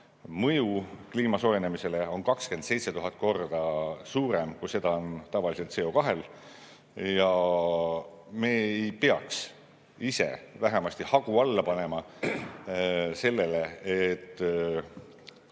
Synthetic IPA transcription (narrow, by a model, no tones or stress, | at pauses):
mɤ̞jukliːmɑso̞jenemise̞le̞o̞nkɑkske̞nd̪̥se̞jt̪se̞t̪uɦɑt̪̚ːˑko̞rd̪̥ɑsuːɾe̞mkujse̞d̪̥ɑo̞nt̪ɑvɑlise̞lt̪se̞o̞kɑɦe̞l | jɑ | me̞ːejpeɑ̰ks | ise̞̰væɦemɑsʲt̪ihɑɡ̥uɑlːɑpɑne̞mɑ | se̞lːe̞leet̪ː